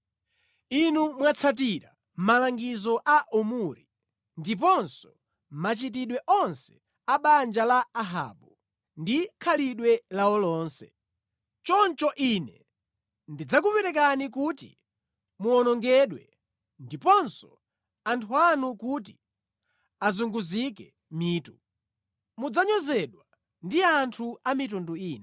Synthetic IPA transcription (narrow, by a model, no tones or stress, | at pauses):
inumwat͡sʰat̬iɾa̰ | m̩malaŋɡizɔʔaʔumuɾi | ndip̬ɔnsɔ | mat͡ʃit̬iɗwɛʔɔnsɛ̥ | aɓand͡ʒalaːɦa̰ɓu | ndikʰaliɗwɛlaɔlɔːnsɛ̰ | t͡ʃɔnt͡ʃɔʔinɛ | ndid͡zakupɛɾɛkanikutḭ | muɔnɔŋɡɛɗwɛ̰ | ndipɔnsɔ̥ | antʰuanukut̬i | azuŋɡuzikɛ | miːtu | mud͡zaɲɔzɛɗwa | ndiantʰuamit̬unduiːnɛ